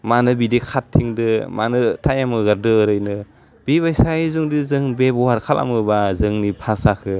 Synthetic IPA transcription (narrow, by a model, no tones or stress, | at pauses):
manɯbidikʰatʰːiŋdɯmanɯtʰajamɯɡaɾdɯːɾɯjnɯ | b̥iβajsaizuŋdizɯŋbebɔwaɾkʰalʔa̰mɯbazɯŋnipʰasakʰɯ